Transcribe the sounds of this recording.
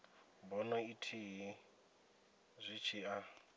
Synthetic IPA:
bɔnaitʰiɦi | zʷit͡ʃʰia

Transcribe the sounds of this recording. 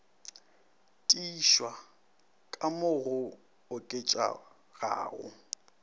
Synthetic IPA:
tʼiʃwa | kʼamʊɣʊ | ʊkʼet͡ʃʼa̰ | ɣa̰ːɣʊ̰

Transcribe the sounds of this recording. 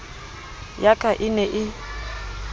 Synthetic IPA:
jakʼaʔɪnɛʔɪ

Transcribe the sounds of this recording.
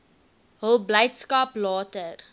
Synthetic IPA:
ɦəlˠbləjtskɐplɑːtər

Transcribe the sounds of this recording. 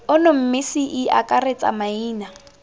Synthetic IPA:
ʊnʊm̩mɪsiʔia̰kʼaret͡sʼa̰maiːna

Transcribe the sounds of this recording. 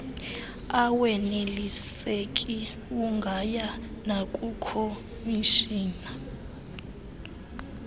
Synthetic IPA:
awenelisekʼi | uŋɡʱajanakʼukʰo | miʃiːna

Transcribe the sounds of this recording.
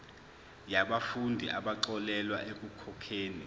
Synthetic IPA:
jaɓafundʱḭʔaɓaǃɔlɛlwaʔek̬ʼukʰɔkʰeːni

